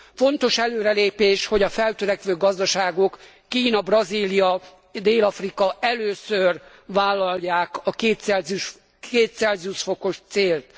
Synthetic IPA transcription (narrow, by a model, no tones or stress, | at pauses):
fo̞nt̪o̞ʃɛløːɾɛleːpeːʃho̞ɟɒfɛlt̪øɾɛkʋøːɡɒzd̪ɒʃaːɡo̞kː | iːnɒbrɒziːlijɒ | d̪eːlɒfrikɒɛløːsør | ʋaːlːɒlːaːkɒkeːt̪sɛz | eːt̪sɛlzuʃfo̞ko̞ʃt̪seːlt̪